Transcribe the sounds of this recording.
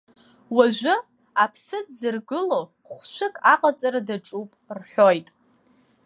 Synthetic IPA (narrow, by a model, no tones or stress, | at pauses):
waʒʷʊ | apʰsɨdzɨrɡɨlo | χʷʃʷɨkʼaqʼat͡sʼaɾadaʈ͡ʂʼupʼrħᶣojtʼ